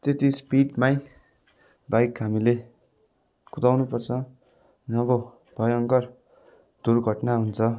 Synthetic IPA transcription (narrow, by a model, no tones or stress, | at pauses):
t̪et̪ispiɖmaj | bajkɦamile | kut̪awnupʌrt͡sʰʌ | nʌbo | b̥ʱʌjʌŋkʌr | d̪̥urɡʱʌʈnaɦunt͡sʰʌ